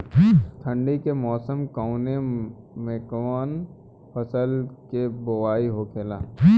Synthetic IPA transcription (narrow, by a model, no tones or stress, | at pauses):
t̪ʰə̃ɳɖikemɔːsəmkaʊne | meːkaːn | pɐsəlkeboʋaːiɦokʰelaː